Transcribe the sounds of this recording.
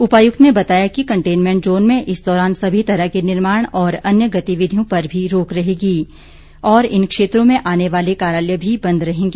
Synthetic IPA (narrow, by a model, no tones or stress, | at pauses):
ʊpaːjʊk̚t̪nebɐt̪aːjakikɐ̃ɳʈeːnmɛ̃ːɳʈzoːnmẽʔɪsd̪ɔːɾaːnsɐbʱit̪ɐɾəɦkenɪɾmaːɽ̃ɔːɾɐnjəɡɐt̪iʋɪd̪ʱijõpɐɾbʱiɾoːkɾɐɦeːɡiː | ɔːɾɪnkʃeːt̪ɾõmẽʔaːneʋaːlekaːɾjaːljəbʱibɐ̃nd̪ɾɐɦẽːŋɡeː